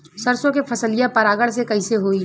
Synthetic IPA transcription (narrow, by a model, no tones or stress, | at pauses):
sɐɾsõkepʰɐsəlɪjãpɐɾaːɡəɽsekɐɪseɦoːi